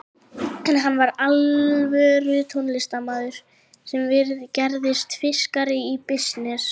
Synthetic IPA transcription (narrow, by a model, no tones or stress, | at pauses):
ɦanːvaɾalvɛɾʏt̪ʰonlɪst̪amaːðʏɾ̥ | sɛmvɪɾðcɛɾðɪst̪fɪskaɾɪipɪsnɛs